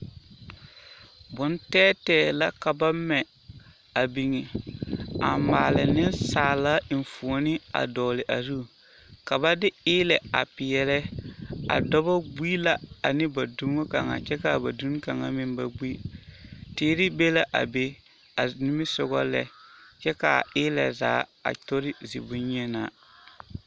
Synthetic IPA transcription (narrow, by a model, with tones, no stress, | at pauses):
bʊ˨ntɛː˦tɛː˦˨la˦ka˨ba˦mɛ˨ | a˨bi˨ŋɛ˨ | a̰˨maː˨lɪ˨nɪ˦nsaː˨la˦ɪ˨n˨fu˨o˨nɪ˦a̰˨dɔː˨lɪ˨ʔa˨zu˦˨ | ka˨ba˦dɪ˦ɪː˦lɛ˨a̰˨pɪ˨jɛ˨lɛ˦a̰˨dɔ˦bɔ˦ɡ͡bi˦la˨a˨nɪ˦ba˨du˦mo˦ka˨ŋa̰˨t͡ʃɛ˦ka˨ba˨du˦n˦ka˨ŋa˨mɪ˦nba˨ɡ͡bi˦ | tiː˦ɾɪ˦be˦la˦ʔa̰˨be˦ | a˨ni˦mɪ˦sʊ˦ɣɔ˦lɛ˦t͡ʃɛ˦ka˨ɪː˦lɛ̰˨za̰ː˨˦a̰˨to˦ɾɪ˦zḭ˨bʊ˦ɲ˦ɲɛ˦na̰˨